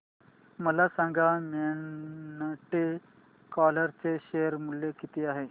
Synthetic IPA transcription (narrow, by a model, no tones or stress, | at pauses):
məlasãŋɡamenʈe | kɔləɾt͡seɕejəɾmulːekit̪iːaɦe